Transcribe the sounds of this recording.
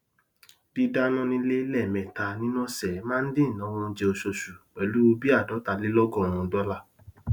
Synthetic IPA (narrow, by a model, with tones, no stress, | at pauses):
d̥i˧da˦nɔ̃˦nĩ˧˦le˦lɛ˦˨mɛ̃˨ta˨˧nĩ˦nɔ̃˦sɛ˨˦mãː˦n̩˦dĩ˦˨nã˨˦w̃ɔ̃˧n̩˧d͡ʒe˧o˧ʃo˧ʃu˨k͡pɛ˨lu˨˦o˧bi˦a˦˨dɔ˨˦ta˨˧li˦lɔ˦ɡɔ̃˦˨w̃ɔ̃˧dɔ˦la˦˨